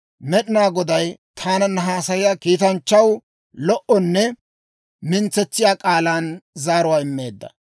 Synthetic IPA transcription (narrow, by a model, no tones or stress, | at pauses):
mɛɗɪnaːɡɔd̪ɐjt̪ʰaːnɐnːɐɦaːsɐjɪjaːkiːt̪ɐnt͡ʃːɐw | lɔʔɔnːɛ | mɪnt͡sːɛt͡sːɪjaːkʼaːlaːnzaːɾʊwaːɪmːe̞ːd̪ːɐ̥̰